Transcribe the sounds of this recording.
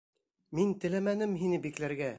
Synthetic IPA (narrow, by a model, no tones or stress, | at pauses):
mint̪ɘ̆læmænɘmɦinɘbiklæɾɡæ